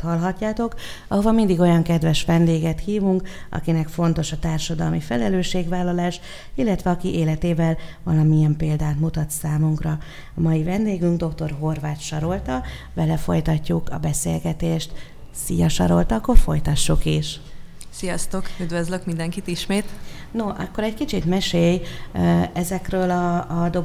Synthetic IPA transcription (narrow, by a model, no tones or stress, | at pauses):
t̪hɒlɦɒcːaːt̪o̞k | ɒɦo̞vɒmind̪iɡo̞jɒŋkɛd̪vɛʃʋɛnd̪eːɡɛt̪hiːvuŋkɒ̰kinɛkfo̞n̪t̪o̞ʃɒt̪aːrʃɒd̪ɒlmifɛlɛløːʃːeːɡvaːlːɒlaːʃ | ilːɛt̪ʋɛɒkiʔeːlɛt̪eːvɛlvɒlɒmijɛmpeːld̪aːt̪mut̪ɒt̪saːmuŋkrɒ | ɒmɒjivɛnd̪eːɡyŋɡd̪o̞kt̪o̞rɦo̞rvaːt̪ʃɒɾo̞lt̪ɒ | bɛlɛfo̞̰jt̪ɒcːukɒ̰bɛsḛːlɡɛt̪eːʃt̪ | sijɒʃɒ̰ɾo̞lt̪ɒːkːo̞rfo̞jt̪ɒʃːukiʃ | sijɒst̪o̞kyd̪vøzløkmind̪ɛŋkit̪iʃmeːt̪ | no̞ʔɒkːo̞ɾɛɟkit͡ʃit̪mɛʃeːj | ɛzɛkrøːlɒːd̪o̞